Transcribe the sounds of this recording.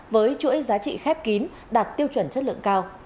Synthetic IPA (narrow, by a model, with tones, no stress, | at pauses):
vəː˨˦jt͡ɕṵ˧˥əjzaː˨˦t͡ɕḭ˧˨xɛ˦˥p̚ki˨˦n | ɗaː˨˩t̚t̪i˧əwt͡ɕwə˧˩nt͡ɕə˦˥t̚lɨ̰˧ə˨ŋkaː˧w